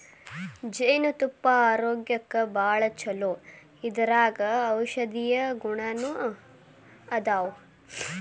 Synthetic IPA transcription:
d͡ʒɐjnut̪upːɐaːɾoːɡjɐkːɐbaːɭɐt͡ʃʰɐloː | id̪ɐɾaːɡɐːwʃɐd̪ijɐɡuɳɐnu | ɐd̪aːwu

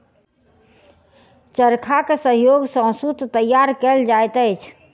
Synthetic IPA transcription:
t͡ʃəɾkʰakesəɦjoɡsə̃sut̪t̪əjaɾkeld͡ʒajt̪əjt͡ʃʰ

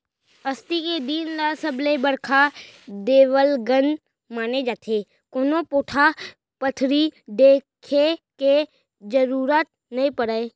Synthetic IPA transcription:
əst̪iked̪iːnlasəblebəɽkʰad̪eːʋəlɡən | maːned͡ʒaːt̪ʰeː | koːnopoːʈʰa | pət̪ʰɾiɖeːkʰeke | d͡ʒəɾuːɾaːt̪̚ | nɐĩpəɽəe

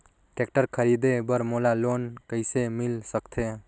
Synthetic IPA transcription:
ʈekʈəɾkʰəɾid̪ebəɾmolalonkəɪjsemilsəkt̪ʰe

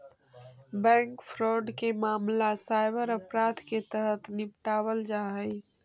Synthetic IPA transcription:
bɛ̃ːŋkpʰɾɔːɖkemaːmlasaɪbəɾəpɾaːd̪ket̪əɦət̪nɪpʈaːwəld͡ʒaːɦəɪ

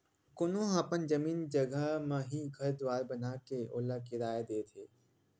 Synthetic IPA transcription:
kʊnõɦapənd͡ʒɐmiːnd͡ʒɐɡʱəmãɦiɡʱɐɾd̪ʊaːɾbɐnaːkeʔo̰ːlakɪɾaːjad̪eːt̪ʰeː

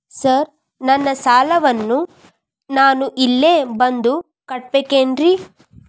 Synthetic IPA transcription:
sɐɾ | nɐnːɐsaːlɐʋɐnːu | naːnuʔilːeːbɐnd̪u | kɐʈ̚beːkeːnɾi

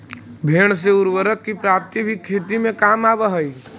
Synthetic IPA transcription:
bʱeːɳ̃seʊɾwəɾəkːipɾaːp̚t̪ibʱikʰːeːt̪imẽkaːmaːbəɦəi

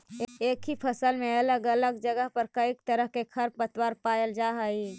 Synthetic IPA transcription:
eːkɦipʰəsəlmẽɐləɡələɡ̚d͡ʒəɡəɦpəɾkəikt̪əɾəɦkekʰɐɾpət̪waɾpaːjəld͡ʒaɦəi

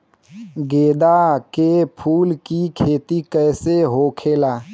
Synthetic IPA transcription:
ɡeːd̪akepʰuːlkikʰeːt̪ikɛːseɦoːkʰeːlaː

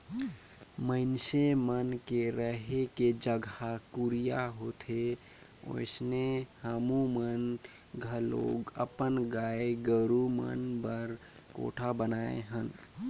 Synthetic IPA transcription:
məɪnsemənkeɾəɦeked͡ʒəɡʱakuɾijaɦot̪ʰe | o̰ɪsnehamumən | ɡʱəlo̰ɡə̰pənɡaeɡəɾumə̰nbəɾ | ko̰ʈʰabənaḛɦən

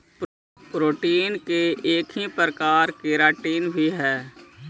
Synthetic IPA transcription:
pɾoːʈiːnkeʔeːkɦipəɾəkaːɾkeːɾaːʈiːnbʱiɦɛː

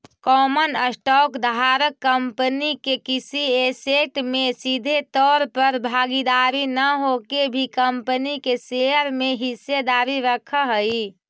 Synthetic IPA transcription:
kɔːmənəsʈɔkd̪ɦaɾəkːəmpənikekisieseʈmesid̪ʱet̪ɔɾpəɾbʱaɡid̪aɾinəɦokebʱikəmpənikeseəɾmeɦised̪aɾiɾəkʰəɦəi

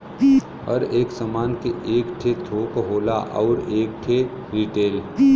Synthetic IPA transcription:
ɔ̰ɾeːksəmaːnkeʔeːkʈʰet̪ʰoːkɦoːla̰ʔɔ̰ːɾeːk̚ʈʰe | ɾiʈeːl

